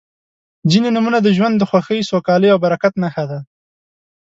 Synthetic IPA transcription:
zinenumunad̪əʒwand̪ːəxwaxəjsokɑləjawbaɾakat̪naxad̪a

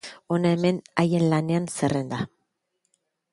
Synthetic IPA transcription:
o̞nae̞me̞naje̞nlane̞anse̞re̞nd̪a

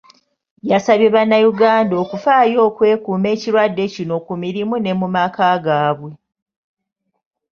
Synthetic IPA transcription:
jasaβje̞βanːajuɡaːndo̞ːkufaːjo̞ːkwe̞ːkuːme̞ːciɾwadːe̞cino̞kumiɾimune̞mumaːkaɡaːβwe̞

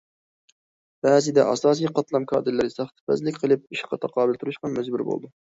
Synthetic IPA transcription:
b̥æːzɪd̪ɛ̰ʔɑsɑːs̬ijqʰɑt̪lˠɑmkʰɑ̰ːd̪ɪɾlːɪɾɪsɑχt̪ʰɨ̥pæ̰zlɪkʲqʰəlˠɨp̚iʃqʰɑt̪ʰɑqʰɑːbɪlt̪ʰuɾɨʃqɑnmɛd͡ʒbuɾbo̰lˠd̪ʊ

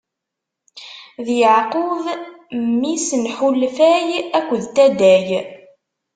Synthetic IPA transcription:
ðjəʕqʊðmːisənħulfæjækʷːðt̪æd̪æj

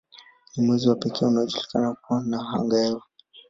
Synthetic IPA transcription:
nimwɛziwapɛkʰɛːunaɔʄulikanakuanaɦa̰ŋɡaɛvu

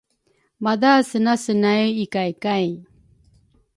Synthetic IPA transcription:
madasənasənajuikajkaj

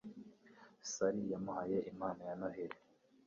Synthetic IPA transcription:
saɾijamuhaje̞ʔimaːnajanaɦeɾe

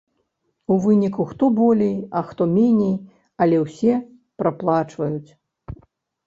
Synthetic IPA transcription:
uvɨnʲikuxt̪ɔbɔlʲejɐxt̪ɔmʲenʲej | ɐlʲɛwsʲɛ | pɾaplˠat͡ʂvɐjut͡sʲ

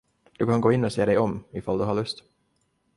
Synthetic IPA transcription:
d̪̥ɵkʰanɡoːɪnːɔseːd̪ɛjɔmɪfald̪ɵɦaːɭɵst̪

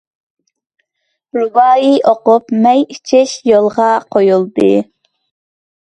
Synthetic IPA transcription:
ɾubɑːjiʔoqupmɛjit͡ʃʰɪʃjolˠʁɑqʰojulˠd̪ɨ̰

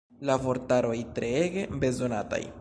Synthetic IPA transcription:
lavo̞ɾtaɾo̞jtɾe̞eɡebe̞zo̞nata̰j

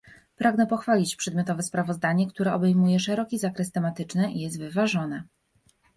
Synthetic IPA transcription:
pɾaɡnɛpɔxfalʲit͡ɕpʂɛd̪mʲjɔt̪ɔvɛspɾavɔzd̪aɲɛkt̪uɾɛʔɔbɛjmujɛʂɛɾɔkʲizakɾɛst̪ɛmat̪ɘt͡ʂnɘʔijɛst̪vɘvaʐɔnɛ

